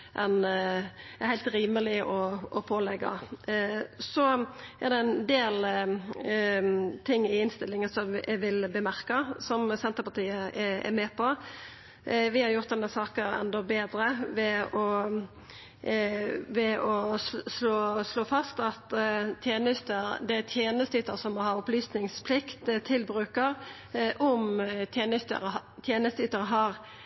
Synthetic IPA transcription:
ʔɛn | æhæɪlt̪ɾiːməlɪʔɔɔpʰoːlɛɡɑ̰ | sɔʔæʁd̪ɛɛnd̪eːl | t̪ʰɪŋːɪɪnst̪ɪlːɪŋənsɔmɛ̰ʋɪlbəmæɾkɑsɔmsɛnt̪əɾpɑt̪iːəɛɛ̰mɛːpʰɔ | ʋɪhɑɾjʊɾt̪d̪ɛnːəsɑːkəɾɛ̰nd̪ɔbeːd̪ɾəʋɛɔ | ʋɛɔsloːsloːfɑst̪ɑt̪t̪ʰjeːnəst̪əɾd̪ɛæt̪ʰjeːnəst̪əyːt̪əɾsɔmːɔhɑɾɔplyːsnɪŋspʰlɪkt̪t̪ʰːɪlbɾʉːkəɾ | ʔɔmt̪ʰjeːnət̪ə̰ɾt̪ʰjeːnəst̪yːt̪əɾəɦɑʁ

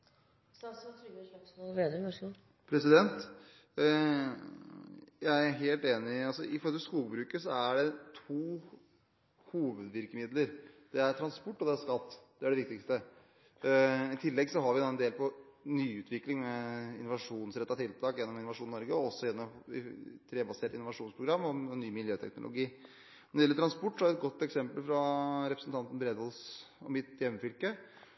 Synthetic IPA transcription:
sst̪ʰɾɡkːbeːd̪ɾnɔʂə | pʰɾɛsɪd̪ɛnt̪ | jæɪæɾɦeːlt̪eːnɪɑlsɔɪfɔɾɔt̪ʰlskuːbɾʉːkəsɔæɖɛt̪ʰuː | huːʋəd̪ʋɪɾkəmɪd̪ləɾd̪̥ɛæɾʈ̪ʰɾɑnspɔʈːɔd̪ɛæɾʂkɑt̪ːd̪̥ɛæɖɛʋɪk̚t̪ɪkst̪ə | ɪt̪ʰɪlːɛɡsɔɦɑɾʋɪd̪ɑɛnd̪eːlpʰɔnyːʉːt̪ʰʋɪklɪŋmɛɪnːʊʋɑʂuːnsɾɛt̪ːɑt̪ʰɪlt̪ʰɑːkjɛnːɔmɪnʊʋɑʂuːnnɔɾɡəɔɔsːɔjɛnːɔmɪ̰t̪ʰɾeːbɑseːʈɪnʊʋɑʂuːnspʰɾʊɡɾɑmːɔnyːmɪljøːt̪ʰɛ̰knʊ̰lʊ̰ɡiː | nɔɾɖɪɛlət̪ɾɑnspɔʈːɔhæɾɛt̪̚ɡɔt̪ːɛksɛmpəlfɾɑɾɛpɾəsnt̪ʰɑnt̪n̩bɾeːd̪ʋɔlsɔmɪt̪jɛmːəfʏlkə

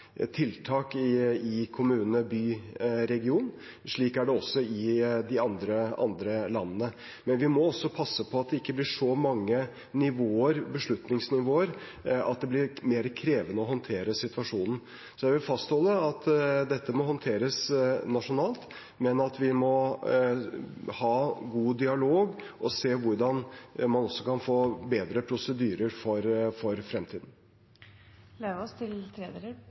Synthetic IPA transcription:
t̪ʰɪlt̪ʰɑːkɪɪkʰʊmʉːnəbyːɾɛɡɪuːn | ʂɭiːkæɖɛɔsːɔɪd̪ɪɑnd̪ɾəɑ̰nd̪ɾəlɑnːənə | mɛnʋɪmɔɔsːɔpʰɑsːəpʰɔɑt̪̚d̪ɛɪkːəblɪʂɔmɑŋːə | nɪʋoːəɾbəʂɭʉt̪nɪŋsnɪʋoːəɾ | ɑ̰t̪̚d̪ɛblɪɾmeːɾəkʰɾeːʋənəɔɦɔnt̪ʰeːɾəsɪt̪ʋɑʂuːnn̩ | sɔjæɪʋɪlfɑst̪hɔlːəɑt̪d̪ɛt̪ːəmɔɦɔnt̪ʰeːɾəsnɑʂʊnɑːlt̪ | mɛnɑt̪ʋɪmɔ | hɑːɡuːd̪ɪɑloːɡʔɔseːʋʊɾɖɑnmɑnɔsːɔkʰɑnfoːbeːd̪ɾəpʰɾʊsəd̪yːɾəɾfɔɾfɔɾfɾɛmt̪ʰiːd̪n̩ | leʋɔst̪ʰɪlt̪ʰɾeːd̪elə

